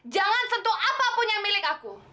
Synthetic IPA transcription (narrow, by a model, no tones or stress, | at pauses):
d͡ʒaŋansənt̪uʔapapʊnjaŋmilɪkaku